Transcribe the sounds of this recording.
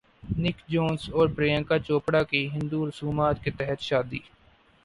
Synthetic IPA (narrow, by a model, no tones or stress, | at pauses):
nɪkd͡ʒoːnsɔːɾbɾejə̃ːŋkaːt͡ʃoːpɽaːkiɦɪ̃nd̪uːɾəsuːmaːt̪ket̪ɛɦət̪ʃaːd̪ḭː